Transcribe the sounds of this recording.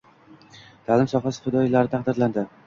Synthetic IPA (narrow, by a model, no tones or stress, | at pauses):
t̪ʰalɪmsɒhasɪ̥fɪd̪ɒjɪlaɾɪt̪ʰɑq̚d̪ɪɾland̪ɪ